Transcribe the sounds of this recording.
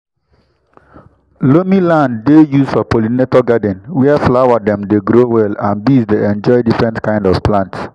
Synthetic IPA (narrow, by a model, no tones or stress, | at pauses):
lomilãndːejusfɔpolinetɔɡadɛ̃nwɛɛflawadɛ̃mdeɡɾowɛlãnbisdeɛ̃nd͡ʒɔɪdifɹɛ̃ntkãɪ̃ndɔv̥plãnts